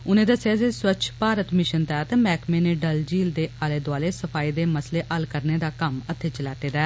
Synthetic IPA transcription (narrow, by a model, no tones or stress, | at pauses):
ʊnẽːd̪əsaːzeːswət͡ʃʰpaːɾət̪mɪʃənt̪ɛːt̪ːmɛːkmeːneːɖəld͡ʒiːld̪eːʔaːleːd̪ʊaːleːsəpʰaːiːd̪eːməsleːʔəlkəɾneːd̪aːkəmət̪ʰːeːt͡ʃəlaːt̪eːd̪ɛː